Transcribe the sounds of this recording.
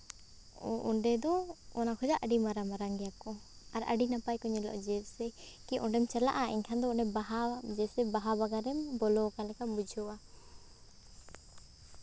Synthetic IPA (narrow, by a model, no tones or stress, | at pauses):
ɔʔɔɳɖɛd̪ɔɔnakʰɔd͡ʒaʔaɖimaɾamaɾaŋɡɛjakɔaɾa̰ɖinapajkɔɲɛlɔ̰ʔd͡ʒɛsɛkiʔɔɳɖɛmt͡ʃəla̰ʔaʔḭɲkʰand̪ɔɔɖɛbaɦad͡ʒɛsɛbaɦabaɡaɾɛmbɔlɔkalɛkambud͡ʒʱɔwa